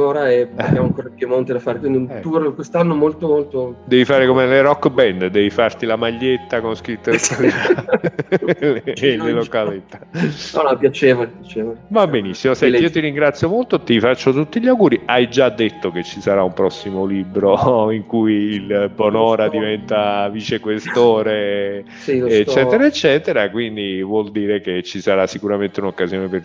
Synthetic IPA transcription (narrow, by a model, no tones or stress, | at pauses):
oɾaɛpjamoaŋkorɡ̪emont̪ed̪afaːɾekwind̪iunt̪urkwest̪anːomolt̪omolt̪od̪ɛvifaːɾekomelerɔkːbɛnd̪d̪ɛvifart̪ilamaʎːet̪ːakonskɾit̪ːesala | llelokalet̪ːḁɔnɔpjat͡ʃeːvolipjat͡ʃeːvolmabenisːimosɛnt̪iiːot̪iɾiŋɡɾat̪sːjomolt̪ot̪ifat͡ʃːot̪ut̪ːiʎawɡuːɾiʔajd͡ʒad̪ːet̪ːoket͡ʃːisaɾaumpɾɔsːimoliːbɾoiŋkujilbonɔːɾad̪ivɛnt̪avit͡ʃekwest̪oːɾe | siːt͡ʃːɛːt̪eɾaet͡ʃːɛːt̪eɾakwind̪ivwɔld̪iːɾeket͡ʃːisaɾasːikuɾament̪eunokːazjoːneper